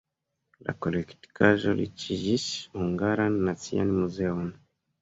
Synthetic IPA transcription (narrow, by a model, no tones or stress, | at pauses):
la̰kolɛktkaʒɔlḭt͡ʃiʒisuŋɡaɾanːat͡sia̰nimuzeɔn